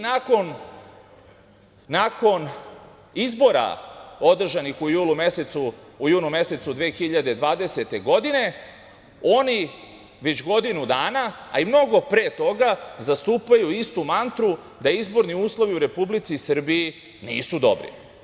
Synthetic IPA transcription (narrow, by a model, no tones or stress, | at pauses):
nako̞n | ako̞n | izbo̞ɾa̰o̞d̪r̩ʒanixujuːlˠumeset̪suujuːnumje̞se̞t̪sud̪ʋeːxiʎad̪e̞d̪ʋaːd̪e̞se̞t̪e̞ɡo̞d̪ine̞ | o̞ni | ʋe̞t͡ɕɡo̞d̪inud̪aːnaa̰imno̞ɡo̞pɾeːt̪o̞ɡazast̪uːpajuist̪umant̪ɾu | d̪aizbo̞ɾniuːslˠo̞ʋiuɾe̞publit̪sisr̩bii | nḭːsud̪o̞̰bɾḭ